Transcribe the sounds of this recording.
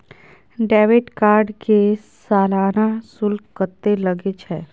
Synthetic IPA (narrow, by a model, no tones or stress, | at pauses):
ɖɛːʋɪʈkaːɾɖke | saːlaːnasʊlkət̪ːeləɡet͡ʃʰɛː